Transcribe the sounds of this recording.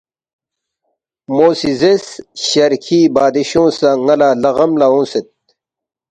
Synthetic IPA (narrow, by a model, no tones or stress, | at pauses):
moːsizesɕɐɾkʰiːbaːd̪iɕõːsaŋɐlaːlɐɣɐmlaõːset̪̚